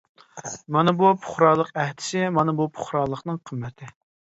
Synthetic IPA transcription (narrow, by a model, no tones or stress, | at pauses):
mɑnɨbupʰʊ̥χɾɑːlˠəqɛht̪ʰɪ̥sɪmɑnɨbupʰʊ̥χɾɑːlˠːəqnɨŋqʰəmːɛt̪ʰɪ